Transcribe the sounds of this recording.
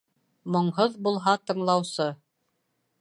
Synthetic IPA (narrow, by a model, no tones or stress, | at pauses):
mŏɴɦoðbulˠɦɑt̪ɤ̆ɴlˠɑwsɤ